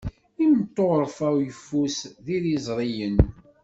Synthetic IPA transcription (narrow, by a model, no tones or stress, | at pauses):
imt̪ˤːoʁɾˤfæwjəfːusðiɾizˤɾˤijən